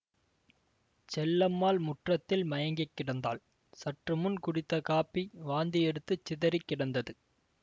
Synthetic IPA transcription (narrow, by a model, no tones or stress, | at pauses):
t͡ʃɛlːɐmːaːlmʊʈrɐt̪ːɪlmɐjɐŋɡɐkːɪɽɐnd̪a̰ːl | sɐʈrɯmʊnkʊɽɪt̪ːɐkaːpːiʋaːnd̪ɪɛɽɯt̪ːɯt͡ʃːɪðɐɾɪkːɪɽɐnd̪ɐðɯ